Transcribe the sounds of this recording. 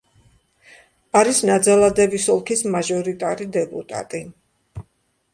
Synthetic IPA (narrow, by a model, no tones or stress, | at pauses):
aɾisnad̪zalˠad̪ɛbisɔlˠkʰismaʒɔɾit̪ʼaɾid̪ɛpʼṵt̪ʼa̰t̪ʼi